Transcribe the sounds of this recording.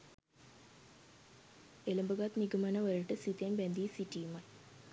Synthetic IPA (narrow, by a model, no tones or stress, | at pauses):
eləmbəɡat̪niɡəmanəʋəɾəʈəsit̪ejanbænd̪iːsiʈijumaj